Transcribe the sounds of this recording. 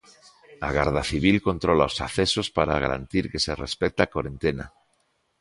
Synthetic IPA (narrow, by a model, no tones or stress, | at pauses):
aɣaɾð̞aθiβ̞ilko̞nt̪ɾolaosa̰θesospaɾaɣa̰ɾa̰nt̪iɾkeserespek̚t̪akoɾent̪ena̰